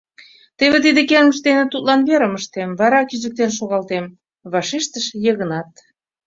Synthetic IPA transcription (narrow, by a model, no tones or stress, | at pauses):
t̪eβet̪̬id̪ekeŋəʒd̪enet̪ut̪lɑnβeɾəməʃt̪emβɑɾɑkiʒək̚t̪enʃ̬oɣɑlt̪em | βɑʃeʃt̪əʃjəɣənɑt̪